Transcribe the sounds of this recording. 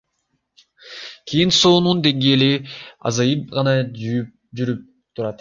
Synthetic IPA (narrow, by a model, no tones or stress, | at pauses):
kʲʰijinsoːnund̪e̞ŋɡe̞ːliɑ̰zɑjɯp̚ʁɑnɑjy | d͡ʒyɾyp̚ | t̪ʰuɾɑt̪